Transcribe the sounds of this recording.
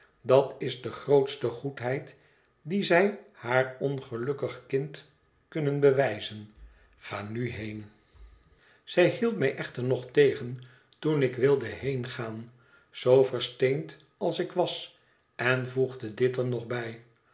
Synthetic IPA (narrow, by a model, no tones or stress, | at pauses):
dɑtɪzdəχrowtstəχutɦɛjt | dizɛjhaːɹɔnχəlɵkəχkɪnt | kɵnənbəʋɛjzən | χaːnyɦejn | z̥ɛjɦilˠtmɛjʔɛχtəɹnɔχtejχən | tunɪkʋɪlˠdəɦejnχaːn | z̥owvəɹstent | ɑlˠsɪkʋɑs | ɛnvuχdədɪtəɹnɔχbɛj